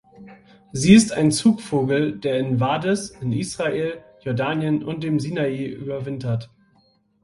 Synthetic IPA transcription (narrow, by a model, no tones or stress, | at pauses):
ziːɪstʰa̰ɪnt͡suːkfoːɡl̩deːɐɪnvaːdɛsɪnʔiːsʁ̥aʔeːljɔɐdaːnjənʔʊnt̚d̥eːmziːnaiːʔy̰ːbɐvɪntɐt